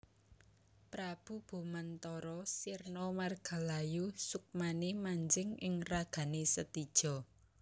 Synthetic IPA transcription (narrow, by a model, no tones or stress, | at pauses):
pɾab̥ṳb̥o̤mant̪ɔɾɔsirnɔmarɡ̥a̤lajusuk̚manemaɲd͡ʒɪŋɪŋraɡ̥a̤nesət̪id̥ʒ̥ɔ̤